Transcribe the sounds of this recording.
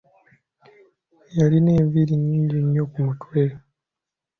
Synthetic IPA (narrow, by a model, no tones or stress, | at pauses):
jalineːviɾiɲiːɲɟiɲːokumutwe